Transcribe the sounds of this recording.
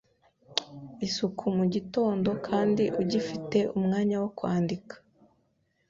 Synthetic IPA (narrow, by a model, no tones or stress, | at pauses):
isukʰumuɟito̞ːndo̞kʰaːndiʔuɟifite̞ʔumŋaːɲawokwaːndikḁ